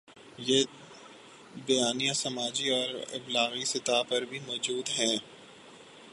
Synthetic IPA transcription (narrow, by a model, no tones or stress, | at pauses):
je | bɐjaːnijasɐmaːd͡ʒiɔːɾɪ̰blaːɣisɪt̪aːpɐɾbʱimɔːd͡ʒuːd̪ɦɛ̃ː